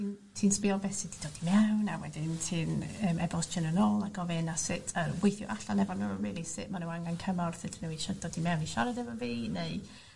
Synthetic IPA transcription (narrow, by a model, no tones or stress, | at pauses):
in | tʰiːnspɪɔnbɛsɪd̥id̥oːdimɛwnawɛ̰dɪntʰiːnəːmɛbɔst͡ʃənənoːlˠaɡɔvɪnasɪtʰəwejθjʊ̰ʔaɬanɛvɔnəɹiːlˠisɪʔmanəwaŋɡankʰəmɔrθɪdnəwiʃɔd̥oːdimɛwniʃɔɾadɛvɔviːneɨ